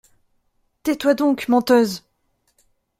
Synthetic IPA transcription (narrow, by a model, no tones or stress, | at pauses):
t̪ɛt̪wad̪ɔ̃kmɑ̃t̪øz